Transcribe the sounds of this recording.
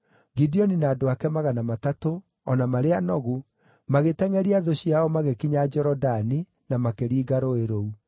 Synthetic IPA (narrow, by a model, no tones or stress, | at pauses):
ɡidiɔninaːdoakɛmaɣanamatato | ɔnamaɾeanɔɣu | maɣetɛŋɛɾiaðoɕiaɔmaɣekiɲad͡ʒɛɾɔdani | namakeɾiːɡaɾoeɾou